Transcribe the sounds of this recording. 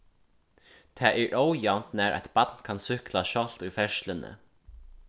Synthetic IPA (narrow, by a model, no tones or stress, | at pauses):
t̪ʰæːʔæːɹʔowjant̪næːɾʔa̰jt̪b̥ɑt̪nkʰɑnsʏklaʃɔl̥t̪ʊjfɛʃlənə̰